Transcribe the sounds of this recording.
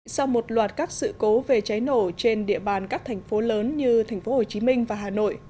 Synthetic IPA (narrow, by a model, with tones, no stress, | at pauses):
sa˧wmo˨˩t̚lwaː˨˩t̚kaː˦˥k̚sɨ̰˧˨ko˨˦ve˨˩t͡ɕa˨˦jno˧˩t͡ɕe˧nɗḭ˧˨əɓaː˨˩nkaː˦˥k̚t̪ʰɛ˨˩jŋ̟fo˨˦ləː˨˦nɲɨ˧t̪ʰɛ˨˩ŋ̟fo˨˦ho˨˩t͡ɕi˨˦mï˧ŋ̟vaː˨˩ɦaː˨˩no̰˧˨j